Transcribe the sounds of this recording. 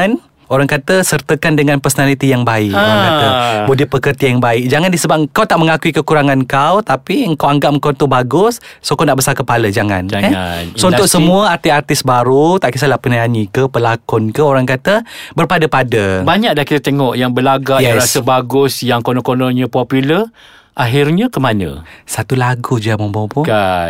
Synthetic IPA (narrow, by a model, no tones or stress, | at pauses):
n | oɾaŋkat̪əsərt̪əkandəŋãnpərsonalit̪ijaŋbaɪkkaat̪əbudɪpəkərt̪ijaŋbaɪk̚d͡ʒaŋandisəbap̚kawt̪aʔməŋakuikəkuɾaŋankawt̪apiəŋkawaŋɡap̚məŋkont̪ubaɡʊsːokanaʔbəsalkəpaləd͡ʒaŋa̰nd͡ʒaanansounʊksəmũəart̪iart̪ɪsbaɾut̪aʔkəsalahpənaanikəpəlakɔnkəoɾaŋkat̪əbərpadəpadəbaɲak̚dakiɾət̪eŋɔʔjaŋbəlaɡajɛɾasəbaɡʊsjaŋkonɔkonoɲə̃populə | ʔaɦirɲə̃kəmanə̰̃sat̪ulaɡud͡ʒamɔŋbɔŋpua